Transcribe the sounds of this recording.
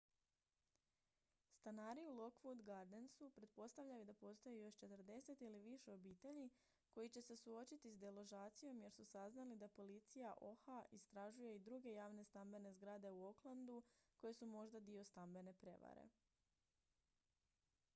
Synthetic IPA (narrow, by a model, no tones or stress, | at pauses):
st̪anaːɾiulˠo̞kfud̪ɡaɾd̪ensupɾe̞t̪̚po̞st̪aʋʎʲajud̪apo̞st̪o̞jejo̞ʃt͡ʃe̞t̪r̩d̪e̞se̞t̪iliʋiʃe̞o̞biːt̪e̞ʎi | ko̞jit͡ɕe̞se̞suo̞t͡ʃit̪isd̪elo̞ʒaːt̪sijo̞mje̞ɾsusaznalid̪apo̞lit̪sijaʔo̞xaʔist̪ɾaʒuje̞id̪ɾuɡe̞jaːʋne̞st̪ambe̞ne̞zɡɾaːd̪e̞uo̞klˠand̪uko̞je̞sumo̞ʒd̪ad̪io̞st̪ambe̞ne̞pɾe̞̰ʋa̰ɾḛ